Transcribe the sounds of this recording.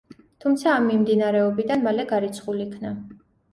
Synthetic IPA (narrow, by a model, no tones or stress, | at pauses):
t̪ʰumt̪sʰaːmːimd̪inaɾɛɔbid̪anmalɛɡaɾit̪sʰχulikʰna